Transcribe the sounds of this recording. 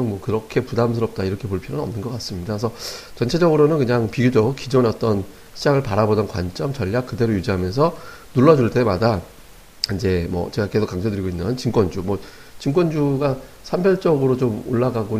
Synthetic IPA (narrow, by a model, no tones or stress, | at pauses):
oŋmwʌkɯɾʌkʰe̞pudams̬ʰɯɾʌp̚t͈aiɾʌkʰe̞poɭpʰjʌɾonʌmnɯnɡʌk͈as͈ɯmɲidasʰʌt͡ɕʌnt͡ɕʰe̞d͡ʑʌɡɯɾonɯnkɯɲaŋpiɡjod͡ʑok̚k͈ːid͡ʑonʌt͈ʌn | ɕʰid͡ʑaŋɯɭpaɾabodʌnkwa̰nt͡ɕ͈ʌmt͡ɕʌʎːak͈̚ɯde̞ɾojud͡ʑiɦamjʌns̬ʰʌ | nuɭːʌd͡ʑuɭt͈e̞mada | ind͡ʑe̞mwʌ̰t͡ɕe̞ɡake̞sʰokaŋd͡ʑʌdɯɾiɡoinːɯnt͡ɕimkwʌnd͡ʑumwʌ | t͡ɕimk͈wʌnd͡ʑuɡa | sʰambjʌɭt͡ɕ͈ʌɡɯɾot͡ɕomoɭːaɡaɡo